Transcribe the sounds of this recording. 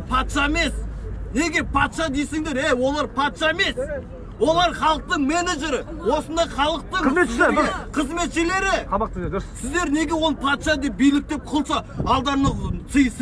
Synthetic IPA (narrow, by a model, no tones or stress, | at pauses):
pʰɑt̪ʃɑeme̞sne̞ɡʲe̞pʰɑt̪ʃɑd̪ejsɪŋd̪e̞ɾejwo̞lˠɑɾpʰɑt̪ʃɑeme̞s | wo̞lˠɑɾχɑlˠəq̚t̪əɴme̞neʒe̞ɾɪ | wo̞sənd̪ɑχɑlˠəq̚t̪əɴzmeʃeqʰəzme̞t̪ʃɪle̞ɾɪqʰɑmqt̪ɾsɪzd̪e̞ɾne̞ɡʲe̞wo̞lˠpʰɑt̪ʃɑd̪e̞p̚bijlɪk̚t̪e̞p̚qʰʊlˠʃɑɑlˠd̪ɑɾnəqsʰɨjəs